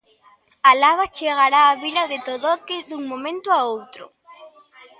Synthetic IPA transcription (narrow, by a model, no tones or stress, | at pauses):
alaβat͡ʃeɣ̞aɾaːβilaðet̪oðɔkeðuŋmõmẽnt̪ʊaowt̪ɾʊ̰